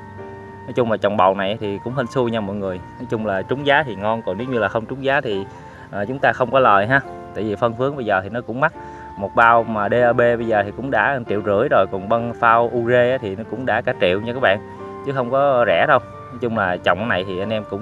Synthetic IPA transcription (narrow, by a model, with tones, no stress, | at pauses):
nɔ˨˦jt͡ɕʊ˧ŋ͡mlaː˨˩t͡ɕɔ̰˨˩wŋ͡mɓə̰˨wna˨˩jt̪ʰi˨˩kʊ̰˧˥ŋ͡mhə˧nsu˧ɲa˧mɔ̰˧˨jŋɨ˨˩əjnɔ˨˦jt͡ɕʊ˧ŋ͡mlaː˨˩t͡ɕʊ˨˦ŋ͡mzaː˨˦t̪ʰi˨˩ŋɔ˧nkɔ˧˩ne˨˦wɲɨ˧laː˨˩xə˧wŋ͡mt͡ɕʊ˨˦ŋ͡mzaː˨˦t̪ʰi˨˩ | ʔəː˨˩t͡ɕʊ˨˦ŋ͡mt̪aː˧xə˧wŋ͡mkɔ˨˦ləː˨˩jɦaː˧˦ | t̪a̰ː˧˨jvi˨˩fə˧nfɨ˨˦əŋɓə˧jzəː˨˩t̪ʰi˨˩nɔ˨˦kʊ̰˧˥ŋ͡mma˦˥t̚ | mo˨˩t̚ɓaː˧wmaː˨˩ɗe˧ʔəː˧ɓe˧ɓə˧jzəː˨˩t̪ʰi˨˩kʊ̰˧˥ŋ͡mɗa̰ː˧˥˧t͡ɕḭ˧˨wzɨ̰˧˥əjzo˨˩jkɔ˨˩nɓə˧nfaː˧wʔu˧ze˧ʔaː˨˦t̪ʰi˨˩nɔ˨˦kʊ̰˧˥ŋ͡mɗa̰ː˧˥kaː˨˧˥t͡ɕḭ˧˨wɲ˧kaː˦˥ɓa̰ː˧˨n | t͡ɕɨ˨˦xə˧wŋ͡mkɔ˨˦zɛ̰˧˥ɗə˧w | nɔ˨˦jt͡ɕʊ˧ŋ͡mlaː˨˩t͡ɕɔ̰˨wŋ͡mʔna˨˩jt̪ʰi˨˩ʔa˧n̟ʔɛ˧mkʊ̰˧˥ŋ͡m